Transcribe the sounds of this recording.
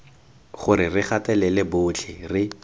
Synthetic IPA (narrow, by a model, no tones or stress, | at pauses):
χʊɾɪrɪχatɛlɛlɪbʊt͡ɬʰɪrɪ